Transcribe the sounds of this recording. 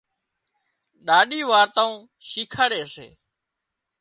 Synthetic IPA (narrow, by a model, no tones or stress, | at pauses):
ɗaːɗiːʋaːɾt̪ãːũː | ʃiːkʰaːɽeːəsḛː